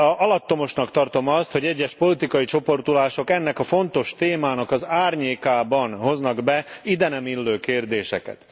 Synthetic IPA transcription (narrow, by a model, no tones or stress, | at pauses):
ɒlɒt̪ːo̞mo̞ʃnɒkt̪ɒrt̪o̞mɒst̪ho̞ɟɛɟːɛʃpo̞lit̪ikɒjit͡ʃo̞po̞rt̪ulaːʃo̞kɛnːɛkɒfo̞nt̪o̞ʃt̪eːmaːnɒkɒzaːrɲeːkaːbɒnɦho̞znɒɡbɛid̪ɛnɛmilːøːkeːrd̪eːʃɛ̰kɛ̰t̪